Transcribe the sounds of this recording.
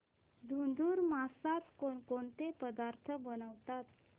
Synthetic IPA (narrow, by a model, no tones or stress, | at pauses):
d̪ʱund̪uːɾmasat̪konkont̪epəd̪aɾt̪ʰəbənəʋt̪at̪̚